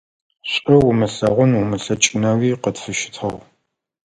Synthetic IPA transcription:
ɕʼɐwʊmɨɬɐʁʷʊnwʊmɨɬɐt͡ʃʼɪnɐwiːqətfɨʃɪ̥tʰɐʁ

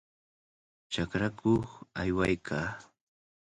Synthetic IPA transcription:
t͡ʃakɾakʰoχajwajkʰaː

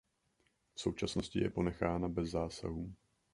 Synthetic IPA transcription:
fso̞wt͡ʃasno̞scɪjɛ̰po̞nɛxaːnabɛzːaːsa̰ɦuː

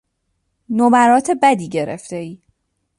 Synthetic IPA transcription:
nobæɾɒːt̪ʰe̞bæd̪iːɟe̞ɾḛft̪eiː

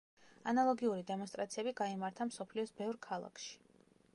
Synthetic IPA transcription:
analˠɔɡiuɾid̪ɛmɔnst̪ʼɾa̰t̪sʰiɛbiɡaimaɾt̪ʰamsɔpʰliɔsbɛvɾkʰalˠa̰kʰʃi̥

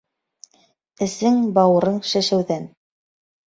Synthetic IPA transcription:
ɘ̆sɘŋbɑwɾɤɴʃæʃæwðæn

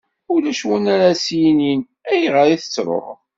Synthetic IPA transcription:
ʊlæʃwunaɾasjinin | æjʁəɾiθə̥t͡sːɾˤo̰ʁ

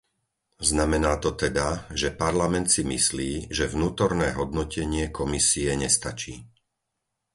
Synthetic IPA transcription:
znamɛnaːt̪ɔt̪ɛd̪aʒɛpaɾlamɛnt̪simḭsliːʒɛvnuːt̪ɔɾnɛːɦɔd̪nɔcɛɲɪɛkɔmisiɛɲɛst̪at͡ʃiː

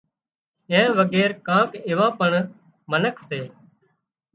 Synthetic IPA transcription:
ẽːʋəɡɛːɾkãːkeːʋãːpəɳ | mənəkʰseː

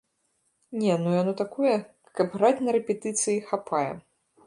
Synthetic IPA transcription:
nʲɛnujanɔt̪akɔjɛ | kɐpɣɾat͡sʲnɐɾɛpʲɛt̪ɨt̪sɨjixapʰajɛ̰

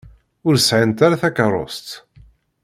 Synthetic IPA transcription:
ʊɾsʕant̪aɾaθækərˤːo̰st̪

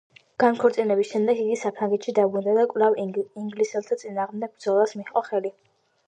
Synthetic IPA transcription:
ɡ̥ankʰɔɾt̪sʼinɛbisʃɛmd̪ɛɡiɡisapʰɾaŋɡɛt̪ʃid̪abɾund̪ad̪akʼvlˠaviŋɡlisɛlˠt̪ʰat̪sʼinaːʁmd̪ɛɡ̚bɾd̪zɔlˠasmiχqʼɔχɛli

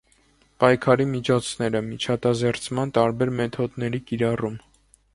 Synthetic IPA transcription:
pɑjkʰɑɾimit͡ʃʰɔt͡sʰnɛɾəmit͡ʃʰɑt̪ɑzɛɾt͡sʰmɑnt̪ɑɾbɛɾmɛt̪ʰɔd̪nɛɾikiɾɑrum

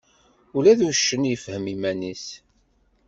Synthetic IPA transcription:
ulæðuʃːənjəfhəmimænis

